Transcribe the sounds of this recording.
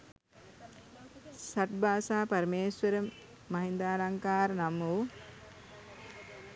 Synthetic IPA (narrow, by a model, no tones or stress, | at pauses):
sɐʈ̚baːsaːpɐɾimeːswəɾə | mɐɦind̪aːlaŋkaːɾnamuː